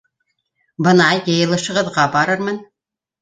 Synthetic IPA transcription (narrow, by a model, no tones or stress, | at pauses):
bɤ̆nɑjɤ̆jɤ̆lˠɤ̆ʃɤ̆ʁɤ̆ðʁɑbɑɾɤɾmɤn